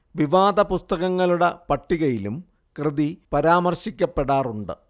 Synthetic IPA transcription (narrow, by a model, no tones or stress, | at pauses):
ʋiʋaːd̪ɐpust̪ɐɣɐŋːɐɭuɽɐpɐʈːiɣɐjilum | krɨðipɐɾaːmɐrɕikʲːɐpːe̞ɽaːruɳɖɨ̰